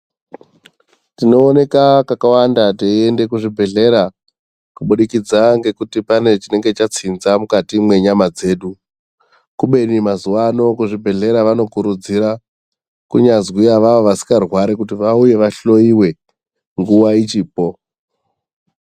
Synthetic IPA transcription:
tino̞ːne̞kakakawandateiende̞kuʐibʱe̞ɮe̞ɾa | kuɓuɗikid͡zaŋɡe̞kutipane̞t͡ʃine̞ŋɡe̞t͡ʃat͡sinzamukatimwe̞ɲamad͡ze̞ːɗu | kuɓe̞nimazuwano̞kuʐibʱe̞ɮe̞ɾaʋano̞kuɾud͡ziɾa | kuɲazwiaʋaʋoʋasi̥karwaɾikutiʋauje̞ʋaɬo̞iwe̞ | ŋɡuwait͡ʃiːpo̞

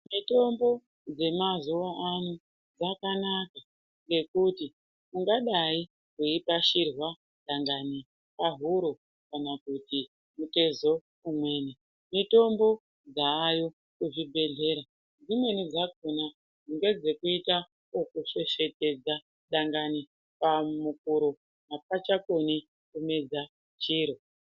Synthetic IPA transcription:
mito̞mbo̞ | d͡ze̞mazuwaʔanu | d͡zakanaka | ŋɡe̞kuti | muŋɡaɗai | kweipaʃirwa | ɗaŋɡani | paɦuɾo | kanakuti | mute̞zo̞ | umwe̞ːne | mito̞mbo̞ | d͡zaːjo | kuʐibʱe̞ɮe̞ːɾa | d͡zimwe̞nid͡zak̚ona | ʐuŋɡe̞d͡ze̞kuita | okuʃe̞ʃe̞te̞d͡za | ɗaŋɡani | pamuk̚uɾo | ɦap̚at͡ʃako̞ni | kume̞d͡za | t͡ʃiːɾo

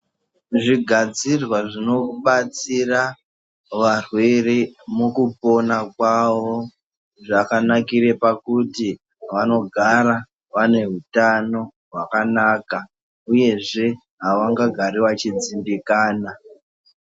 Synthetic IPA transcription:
ʐiɡʱad͡zirwaʐino̞kuɓat͡sira | ʋarwe̞remukupo̞nakwawo̞ | ʐakanakiɾe̞pakuti | ʋano̞ɡʱaɾa | ʋane̞ɦutano̞ | ɦwakanaːka | uje̞ʐe̞ | ɦaʋaŋɡaɡʱaɾiʋat͡ʃid͡zimbikaːna

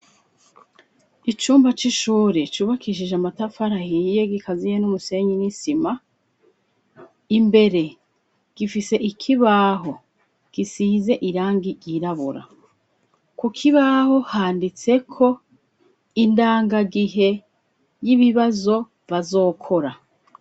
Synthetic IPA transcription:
it͡ʃuːmbat͡ʃiʃuːɾet͡ʃuːβakiʃ̬iʒamatafaɾahije̞ɡikazijenumuse̞ɲinisima | imbe̞ɾe̞ | ɡ̥ifise̞ʔikʰiβaɦo̞ | ɡ̥isize̞ʔiɾaːŋɡiɡiɾaβuɾa̰ | kukʰiβaho̞haːndit͡se̞kʰo̞ | indaːŋɡaɡiɦe̞ | jiβiβazo̞ | βazo̞ːkʰo̞ɾa

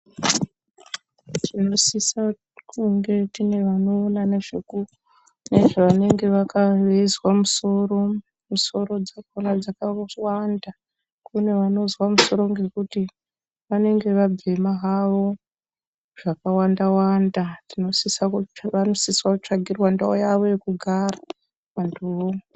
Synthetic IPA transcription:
tʰino̞sisa | kuŋɡe̞tine̞ʋano̞ːnaneʐeu | ne̞ʐaʋane̞ŋɡe̞ʋakaʋezwamuso̞ro̞ | muso̞ɾo̞d͡zakonad͡zakawanda | kune̞ʋano̞zwamuso̞ɾo̞ŋɡe̞kuti | ʋane̞ŋɡe̞ʋab͡ve̞maɦaʋo̞ | ʐ̥akawandawandatino̞sisaʋano̞siswakut͡ʂaɡʱirwandaojaʋo̞jekuɡʱara | ʋantʰuʋo

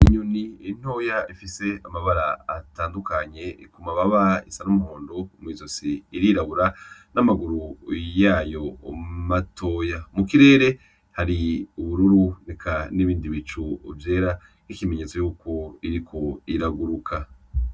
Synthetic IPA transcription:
iɲoniin̥ho̞ːjaifise̞amaβaɾaːtaːndukaɲe̞ikumaβaβaḭsanumuhoːndomwiːzo̞siːɾiɾaβuɾanamaɡuɾujaːjo̞matʰo̞ːjamukiɾe̞ːɾe̞ | haɾiuβuɾuɾune̞kʰaniβiːndiβit͡ʃṵːvje̞ːɾa | ikime̞ɲe̞t͡so̞juːko̞iɾikʰo̞iɾaɡuɾukʰa

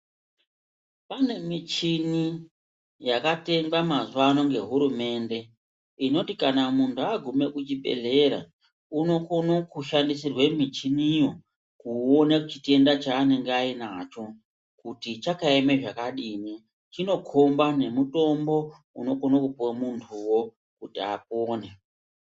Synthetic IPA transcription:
pane̞mit͡ʃini | jakate̞ŋbamazuʋano̞ŋɡe̞ɦuɾume̞ːnde̞ | ino̞tikanamuntʰuaɡʱume̞kut͡ʃiɓe̞̰ɮe̞ɾa̰ | uno̞ko̞nokuʃandisirwe̞mit͡ʃinijo̞ | kuonekut͡ʃite̞ndat͡ʃaːne̞ŋɡeainat͡ʃo̞ | kutit͡ʃakaemeʐakaɗini | t͡ʃino̞kʰombane̞muto̞mbo̞ | uno̞ko̞nokupuwamuntʰuwo̞ | kutia̰p̚oːne

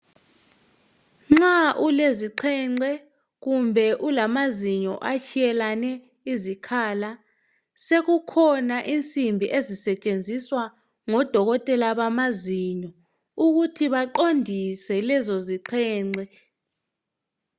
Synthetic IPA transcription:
ŋ͡ǁaʔuleziǃʰɛŋ͡ǀɛ | ɣumbʱɛʔulamaziɲɔ̰ʔat͡ʃʰijɛlanɛ | izikʰaːla | sekukʰɔnaʔint͡sʼimbʱiʔezisɛt͡ʃʼend͡zʱiswa | ŋɔd̥ʱɔɣɔtʼɛlaɓamaziɲɔ | uk̬utʰiɓaǃondʱisɛlɛzoziǃʰɛːŋ͡ǀʱɛ

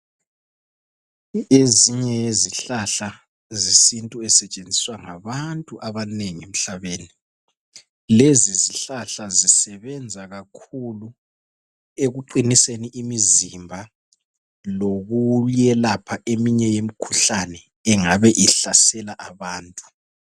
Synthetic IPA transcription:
eziɲɛeziɬaɬa | zisintʼuɛsɛt͡ʃʼend͡zʱiswaŋaβantʼuʔaβaneŋiem̩ɬaβeːni | leziziɬaɬazisɛβɛnd͡zʱaɣakʰulu | eɣuǃiniseniʔimizimbʱa | loɣujɛlapʰaʔemiɲɛjemikʰu̥ɬanɛ | ɛŋaβɛʔiɬasɛlaʔaβaːntʼu̥

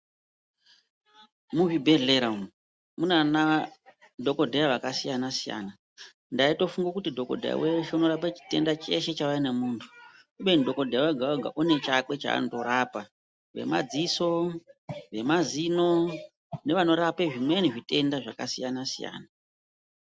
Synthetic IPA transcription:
muʐibʱe̞ɮeɾaum | munana | dʱo̞ko̞dʱejaʋakasijanasija̰ːna | ndaito̞fuŋɡakutidʱo̞ko̞̰dʱeja̰weʃeuno̞ɾapet͡ʃi̥te̞̰ndat͡ʃe̞ʃe̞t͡ʃaʋainemuntʰu̥ | uɓenidʱo̞ko̞dʱejaweɡʱaoɡʱa̰ʔune̞t͡ʃakwe̞t͡ʃa̰ːnoto̞ɾapa | ʋe̞̰ma̰d͡ziso̞ | ʋe̞mazino̞ | ne̞ʋano̞ɾapeʐimweniʐite̞ndaʐa̰kasijanasija̰ːna

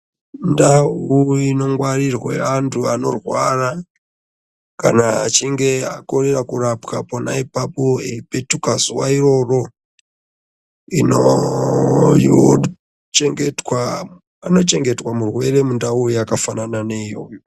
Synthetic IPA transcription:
ndauino̞ŋɡwarirwḛantʰuano̞̰rwara | ka̰na̰ːt͡ʃiŋɡe̞ako̞rerakurapkapo̞naipapo̞epe̞tukazuwairo̞ro̞ | ino | jo | t͡ʃeŋɡetwa | ano̞t͡ʃe̞ŋɡe̞twamurwe̞re̞mundaujakafanananejo̰

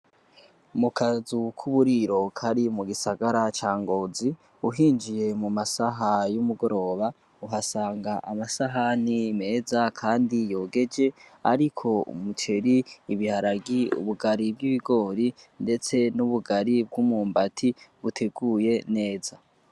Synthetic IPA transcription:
mukʰazukʰuβuɾiɾo̞kʰaɾimuɡisaɡaɾat͡ʃaːŋɡo̞ːzi | uɦiːnd͡ʒije̞mumasaɦajumuɡo̞ɾo̞ːβa | uɦasaːŋɡaʔamasaɦanime̞ːzakʰaːndijo̞ːɡe̞d͡ʒe̞a̰ɾikʰo̞ṵmut͡ʃe̞ɾiːβihaɾaɡiṵβuɡaɾib̚ɡiβiɡo̞ːɾinde̞t͡se̞nuβuɡaɾib̚ɡumuːmbatʰiβutʰe̞ɡuːje̞ne̞ːz̥a

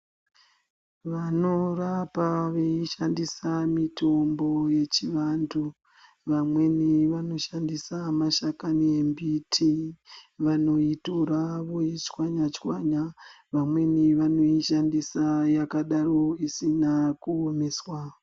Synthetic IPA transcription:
ʋano̞rapaʋeiʃandisamitʰo̞mbo̞je̞t͡ʃiʋantʰu | ʋamwe̞niʋano̞ʃandisamaʃakanembitʰi | ʋano̞itoɾaʋoit͡ʃkwaɲat͡ʃkwaɲa | ʋamwe̞niʋano̞iʃandisajakaɗaro̞isinakuomeswa

